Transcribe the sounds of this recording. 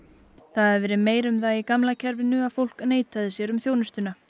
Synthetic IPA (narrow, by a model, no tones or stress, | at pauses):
θaðɛɾvɛːɾɪmeːjɾʏmðajikamlacʰɛɾvɪnʏḁfowl̥kneːjt̪aðɪsjɛɾʏmθjownʏst̪ʏna